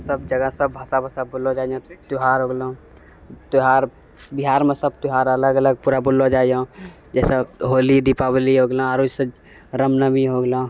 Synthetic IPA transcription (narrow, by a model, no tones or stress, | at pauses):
səb̚d͡ʒəɡəsəbːʱəsabʱəsabolõd͡ʒaːijãt̪ʊɦaːɾɦoːɡlo | t̪ʊɦaːɾ | bɪɦaːɾmẽsəb̚t̪ʊɦaːɾələɡələɡ̚puːɾabʊlːod͡ʒaːijã | d͡ʒɛːseɦoːlid̪ipabliɦoːɡlãaːɾoːd͡ʒsəd͡ʒ | ɾəmnəbiɦoɡlã